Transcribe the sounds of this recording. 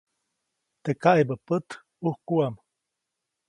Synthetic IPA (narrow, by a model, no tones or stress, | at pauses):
t̪ekaʔebəpət̪ | uhkuam